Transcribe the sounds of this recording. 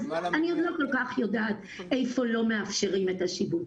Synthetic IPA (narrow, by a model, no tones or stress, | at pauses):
aniod̪lo̞ko̞lkaχjo̞daːt̪ | ejfo̞lo̞me̞afʃe̞ʁime̞taʃibut